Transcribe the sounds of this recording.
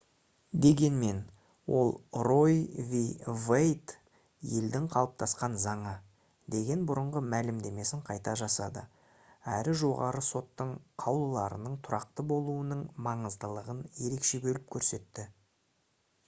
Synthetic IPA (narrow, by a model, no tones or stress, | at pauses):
d̪e̞ɡʲe̞nme̞n | wʔo̞̰lˠro̞jvivejt̪ | je̞ld̪ɪŋqʰɑlˠəp̚t̪ʰɑsqɑnzɑɴɑ | d̪e̞ɡʲe̞nbʊɾəɴʁəmælɪmd̪e̞me̞sɪɴqʰɑjt̪ɑʒɑsɑd̪ə̰ | æɾɪʒo̞ʁɑ̰ɾəso̞t̪ːəɴqʰɑwlˠəlˠɑɾə̰nəɴt̪ʰʊɾɑqt̪əbo̞lˠuənəɴmɑɴəzd̪əlˠəʁənje̞ɾe̞kʃe̞bɵlɪp̚kʲʰɵɾse̞t̪ːɪ